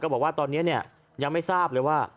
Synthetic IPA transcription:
kɔː˥˩bɔː˨˩k̚waː˥˩t̪ɔː˧nːi˦˥ɐni˥˩ɐ | ja˧ŋma˥˩jsaː˥˩p̚lɤː˧jwaː˥˩

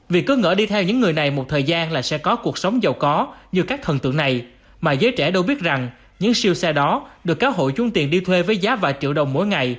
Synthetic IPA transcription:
vi˨˩kːɨ˨˦ŋə̰ː˧˩ɗi˧t̪ʰɛ˧wɲɨ̰˧˥ŋːɨ˨˩əjna˨˩jmo˨˩t̚t̪ʰəː˨˩jzaː˧nlaː˨˩sɛ̰˧˥kɔ˨˦ku˨˩ək̚sə˨˦wŋ͡mzə˨˩wkɔ˨˦ɲɨ˧kaː˦˥k̚t̪ʰə˨˩nt̪ɨ̰˧˨əŋna˨˩j | maː˨˩zəː˨˦jt͡ɕɛ̰˧˩ɗə˧wɓi˦˥t̚za˨˩ŋ | ɲɨ̰˧˥ŋsi˧əwsɛ˧ɗɔ˨˦ɗɨ˨˩əkːzaː˨˦wɦo̰˧˨jt͡ɕʊ˨˦ŋ͡mt̪i˨˩ənɗi˧t̪ʰwe˧vəː˨˦jzaː˨˦˥vaː˨˩jt͡ɕḭ˧əwɗə˨˩wŋ͡mmo̰˨˦jŋa˨˩j

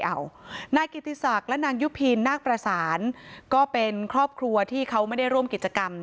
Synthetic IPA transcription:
ʔa˨˩wnaː˧ki˨˩t̪ʰːi˧˥sa˨˩k̚lɛ˦˥naː˧ŋju˦˥pʰi˧nːaː˥˩k̚pɾa˧saː˩˦nkɔː˥˩pe˧nkʰɾɔː˥˩p̚kʰɾu˧ɐt̪ʰiː˥˩kʰa˦˥wma˥˩jda˥˩jɾu˥˩əmki˨˩t̪̚t͡ɕa˧ka˧m

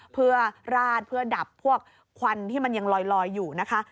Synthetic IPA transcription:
pʰɯ˥˩ɐəɾaː˥˩t̪̚pʰɯ˥˩ɐda˨˩pʰːu˥˩ək̚ʰːwa˧nt̪ʰiː˥˩ma˧nja˧ŋlɔː˧jlɔː˧jːuː˨˩na˦˥kʰa˦˥

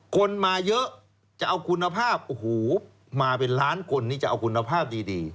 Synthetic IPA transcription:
ko˧nmaː˧jɤ˦˥ʔ | t͡ɕa˨˩ʔa˧wkʰu˧nːa˧pʰaː˥˩p̚huː˨˩˦p̚ | maː˧pe˧nɾaː˦˥nkʰo˧nːiː˥˩t͡ɕa˨˩ʔa˧wkʰu˧nːa˧pʰaː˥˩p̚diː˧diː˧

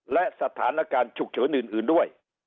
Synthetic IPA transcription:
lɛ˧˨sa˧˩t̪ʰːaː˨˦nla˧˦kaː˧˩nt͡ɕʊ˨˩k̚t͡ɕəː˨˦nɨ˨˧˨nʔɨ˨˦ə˦nɗu˨˦a˨˩j

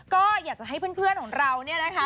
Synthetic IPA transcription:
kɔː˥˩jaː˨˩k̚t͡ɕa˨˩ɦa˥˩jpʰɯ˥˩˨npʰɯ˥˩ənkɔː˩˦ŋɾa˧wni˥˩ɐna˦˥kʰa˦˥

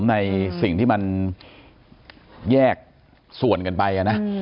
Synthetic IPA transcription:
mna˧jsi˨˩ŋt̪ʰiː˥˩ma˧n | jɛː˥˩k̚ | su˨˩ənkɤ˧npa˧jʔa˨˩na˦˥

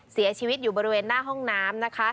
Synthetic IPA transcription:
si˩˦ɐt͡ɕʰiː˧wi˦˥t̪̚juː˨˩bɔː˧ɾi˦weː˧nːaː˥˩ɦɔ˥˩ŋnaː˦˥mna˦˥kʰa˦˥

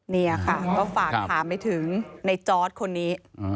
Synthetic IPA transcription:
niː˥˩la˨˩kʰa˥˩kɔː˥˩faː˨˩k̚t̪ʰaː˩˦mpa˧jt̪ʰɯ˩˦ŋna˧jt͡ɕɔː˦˥t̪̚kʰo˧nːiː˦˥

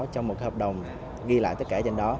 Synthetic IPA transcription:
t͡ɕɔ˧ŋ͡mmo˨˩həː˨˩p̚ɗə˨˩wŋ͡m | ɣi˧la̰ː˧˨t̪ə˦˥t̚kaː˧˩t͡ɕe˧nɗɔ˨˦

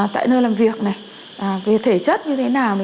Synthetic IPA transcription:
t̪a̰ː˧˨jnəː˧jlaː˨˩mvi˨˩ək̚na˨˩j | ʔaː˨˩ve˨˩t̪ʰe˧˩t͡ɕə˦˥t̚ɲɨ˧t̪ʰe˨˦naː˨˩w

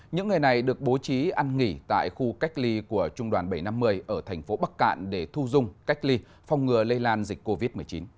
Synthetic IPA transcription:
ɲɨ̰˧˥ŋːɨ˨˩əjna˨˩jɗɨ˨˩ək̚ɓo˨˦t͡ɕi˨˦ʔa˧nŋi˧˩t̪a̰ː˧˨jxu˧ka˦˥k̟̚li˧ku˧˩ət͡ɕʊ˧ŋ͡mɗwaː˨˩nɓa˧˩jna˧mːɨ˧əjʔəː˧˩t̪ʰɛ˨˩jŋ̟fo˨˦ɓa˦˥k̚ːa̰ː˧˨nɗe˧˩t̪ʰu˧zʊ˧ŋ͡mka˦˥k̟̚li˧ | fa˧wŋ͡mŋɨ˨˩ələ˧laː˧nzï˨˩k̟̚kːo˧vi˦˥t̚mɨ˨˩əjt͡ɕḭ˨˦n

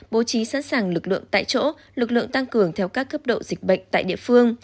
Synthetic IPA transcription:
ɓo˨˦t͡ɕi˨˦sa̰˧˥nsaː˨˩ŋlɨ˨˩k̚lɨ̰˧˨əŋt̪a̰ː˧˨jt͡ɕo̰˧˥ | lɨ˨˩k̚lɨ̰˧˨əŋt̪a˧ŋkɨ˨˩əŋt̪ʰɛ˧wkaː˦˥kːə˦˥p̚ɗo̰˧˨zi˨˩k̟̚ɓə̰˧˨jŋ̟t̪a̰ː˧˨jɗḭ˧˨əfɨ˧əŋ

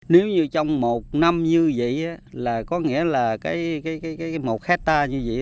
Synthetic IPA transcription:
ne˨˦wɲɨ˧t͡ɕɔ˧wŋ͡mmo˨˩t̚na˧mɲɨ˧və̰˧˨ʔaː˨˦laː˨˩kɔ˨˦ŋḭ˧˥əlaː˨˩kaː˨˦jkaː˨˦jkaː˨˦jkaː˨˦jjmo˨˩t̚xɛ˦˥t̚t̪aː˧ɲɨ˧və̰˧˨ʔ

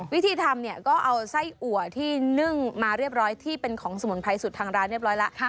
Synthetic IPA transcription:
wi˦˥t̪ʰiː˧t̪ʰa˧mni˥˩əkɔː˥˩ʔa˧wsa˥˩jʔu˨˩ət̪ʰiː˥˩nɯ˥˩ŋmaː˧ɾi˥˩əp̚ɾɔː˦˥jt̪ʰiː˥˩pe˧nkʰɔː˩˦ŋsa˨˩mu˩˦npʰa˧jsu˨˩t̪ʰːaː˧ŋɾaː˦˥nɾi˩p̚ɾɔː˦˥jla˦˥ʔʰ

